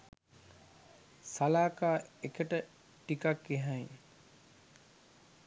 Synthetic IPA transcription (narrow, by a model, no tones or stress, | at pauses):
salaːkaːekəʈə | ʈikakeɦaji